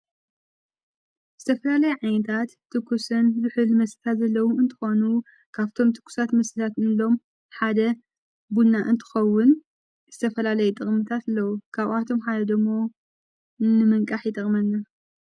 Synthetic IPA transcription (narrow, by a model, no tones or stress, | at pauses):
zɨt̪ʰɐfɐlalɐjuʕajnɐt̪ʰat̪ːɨkʰːusɨnzɨħɨlmɐsɨt̪ʰat̪zɐlːɐwuɨnt̪ʰɨ̥xo̞nu | kʰaβt̪ʰo̞mt̪ʰɨ̥kʰːu̥sat̪mɐsɨt̪ʰat̪ɨnlo̞m | ħad̪ɐ | bulnaʔɨnt̪ʰɨ̥xɐwːʊn | z̥ɨt̪ʰɐfɐlalɐjɛt̪ʼɨχʼmɨt̪ʰat̪lːɐwukʰaβʔat̪ʰo̞mħad̪ɐd̪ɨɡmːo̞ | nɨmɨŋkʼaħjɪt̪ʼɐχʼmɐnːɐ